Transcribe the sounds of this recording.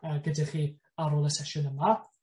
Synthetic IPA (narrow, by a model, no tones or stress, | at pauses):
əːɡədɪχiː | aɾoːlˠəsɛʃʊnəma